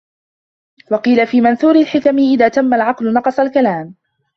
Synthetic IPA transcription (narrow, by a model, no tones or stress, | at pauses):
wɑqiːlafiːmanθuːɾɪlħɪkamɪʔɪðaːt̪amːalʕɑqlʊnɑqɑsˤɑlkalaːm